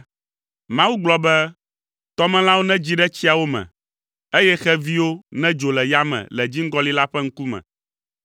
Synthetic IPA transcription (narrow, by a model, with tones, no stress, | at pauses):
mã˦wu˦ɡ͡blɔ˦bɛ˦ | t̪ɔ˦mɛ̃˦l̃ã˦wo˦nɛ̃˦d͡ʑi˦ɖɛ˦t͡ɕi˦a˨wo˦mɛ̰̃˨ | e˦jɛ˦xɛ˦vi˦wo˦nɛ̃˦d͡ʒo˨lɛ˨ja˦mɛ̰̃˨lɛ˨d͡ʑi˦ŋ˦ɡɔ˦li˦la˦ɸɛ˦ŋ̩˦ku˦mɛ̰̃˨